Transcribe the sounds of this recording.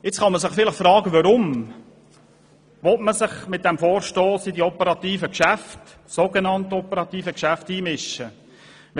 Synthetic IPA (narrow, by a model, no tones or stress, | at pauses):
ɪt͡sχɑməsɪχfɪlɪχfrɑːɡəʋɑɾʊm | ʋɔtməsɪχmɪt̚d̥ɛmfoːɾʃtoːsɪdiɔpəɾɑt̪iːfəkʃæft | soɡenɑntəɔpəɾɑt̪iːfəkʃæftiːmɪʃə